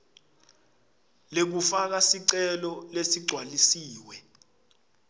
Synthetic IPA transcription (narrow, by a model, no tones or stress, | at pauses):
lek̬ufak̬asiǀɛlɔlesiɡ͡ǀʱwalisiːwɛ